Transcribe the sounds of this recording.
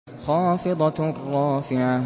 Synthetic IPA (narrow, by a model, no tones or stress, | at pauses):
xɑːfɨðˤɑrˤːɑːfɪʕa